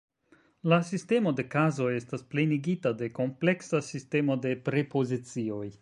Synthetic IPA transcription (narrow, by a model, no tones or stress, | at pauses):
lasiste̞mo̞de̞kazo̞je̞stasple̞niɡitade̞ko̞mple̞ksasiste̞mo̞de̞pɾe̞po̞zit͡sio̞j